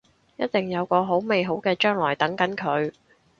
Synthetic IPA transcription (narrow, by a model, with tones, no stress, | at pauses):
jɐ˥t̚t̪ɪ˨˩ŋjɐ˨˧wkɔː˧ɦo˨˥wme˨jɦo˨˥wkɛː˧t͡ʃœː˥ŋlɔː˨˩jt̪ɐ˨˥ŋkɐ˨˥nkʰɵ˨˧ɥ